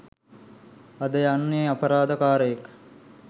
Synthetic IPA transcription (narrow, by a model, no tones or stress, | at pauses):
ad̪əjanːeːapəɾaːd̪əkaːɾəjek